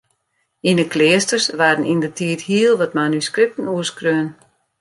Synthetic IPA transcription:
indəklɪəstərsʋardənindətʰiəthiəlˠʋɔtmanyskrɪp̚tənuəskrøən

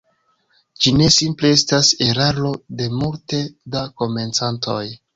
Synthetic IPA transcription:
d͡ʒine̞simple̞e̞stase̞ɾaɾo̞de̞multe̞dako̞me̞nt͡santʰo̞j

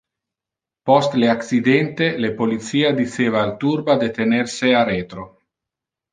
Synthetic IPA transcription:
pɔst̪leaksid̪ɛnt̪elepolit̪siːad̪iseːvaːlt̪uɾbad̪et̪enerseaɾeːt̪ɾo

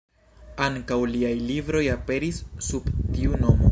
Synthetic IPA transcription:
aŋkawliajlibɾo̞jape̞ɾisːubtiuno̞mo

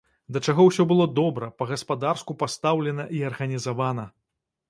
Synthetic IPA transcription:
d̪ɐt͡ʂaɣɔwsʲɔbɨlˠɔd̪ɔbɾɐpɐɣɐspad̪arskupast̪awlʲɛnɐʔiɐrɣɐnʲizavanɐ

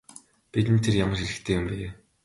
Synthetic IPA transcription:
pit̪ɘ̆nt̪ʰerjamə̆rʃiɮɘ̆xt̪ʰeːjʊmpæɾeː

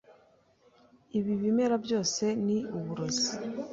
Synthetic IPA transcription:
iβiβimeɾabjo̞ːse̞niuβuɾozi̥

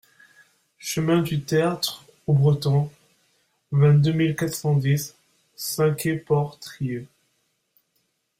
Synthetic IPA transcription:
ʃəmɛ̃d̪yt̪eat̪χ | obʁət̪ɔ̃ | vɛ̃t̪̚d̪ømilkat̪χsɑ̃d̪isː | ɛ̃kʲepɔʁt̪χiø

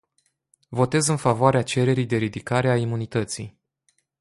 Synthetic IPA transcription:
vo̞t̪e̞zɨnfavoaɾeat͡ʃe̞ɾe̞ɾijd̪e̞ɾid̪ikaɾe̞aimunit̪ət̪sḭj

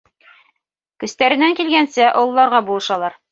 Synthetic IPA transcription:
kɵ̆st̪æɾɘ̆næŋkilɡænsæʔŏlˠːɑɾʁɑbulˠɤ̆ʃɑlˠɑɾ

